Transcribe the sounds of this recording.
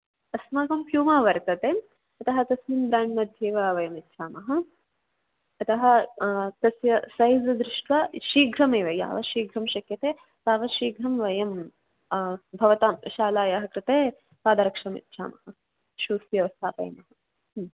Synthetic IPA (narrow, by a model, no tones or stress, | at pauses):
ɐsmɐkɐmpʰjuːmaːʋɐɾt̪ɐt̪eː | ɐt̪ɐɦɐt̪ɐsminbɾaːɳɖmɐd̪ʱjeːʋɐʋɐjɐmit̪ːʃʰaːmɐɦɐ | ɐt̪ɐɦɐ̆t̪ɐsjɐsɐjzɐd̪ɾɪʂʈʋaːʃiːɡɾɐmeːʋɐja̰ːʋɐʃiːɡɾɐmʃɐkjɐt̪eː | saːʋɐʃiːɡɾɐmʋɐjɐm | bʱɐʋɐt̪aːmʃaːlaːjɐɦɐkɾɪt̪eː | paːd̪ɐɾɐkʂɐmḭt̪ːʃʰa̰ːmɐɦɐ | ʃuːsjɐʋɐst̪ʰaːpɐ̰jɐ̰mɐɦɐ